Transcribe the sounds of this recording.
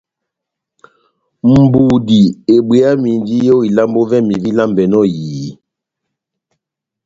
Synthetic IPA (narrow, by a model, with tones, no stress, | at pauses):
m̩˨bu˨di˨e˨bwe˨a˦mi˨ndi˦jo˦i˨la˦mbo˦vɛ˦mi˨vi˦la˦mbɛ˨nɔ˦˨jiː˨˦